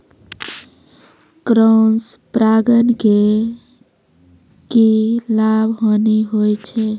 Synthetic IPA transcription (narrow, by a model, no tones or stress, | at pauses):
kɾonspɾaɡənke | kilabʱɦoniɦojt͡ʃʰe